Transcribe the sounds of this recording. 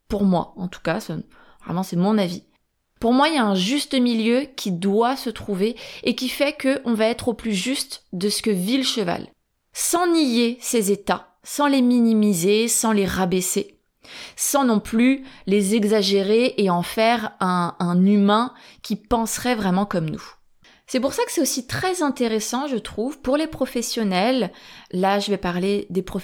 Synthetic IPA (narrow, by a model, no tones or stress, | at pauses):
puʁmwa̰ɑ̃t̪u̥kasa | vʁɛ̰mɑ̃sɛmɔ̃navi | puʁmwailjaɛ̃ʒyst̪əmiljøkʲʰid̪wasət̪χuveːkʲifɛkəʔɔ̃vaɛt̪χoplyʒyst̪d̪əsə̥kəviləʃəva̰l | sɑ̃nijesezet̪a | sɑ̃leminimizesɑ̃leʁabese | sɑ̃nɔ̃plylezɛɡzaʒeʁeʔːɑ̃fɛʁɛ̃ɛ̃nymɛ̃kʲipɑ̃sχɛvʁɛmɑ̃kɔmnṵ | sɛpuʁsakə̥sɛt̪osit̪χɛzɛ̃t̪eʁesɑ̃ʒət̪χuvpuʁlepχɔfɛsjɔnɛlːaʒəvɛpaʁled̪epχɔ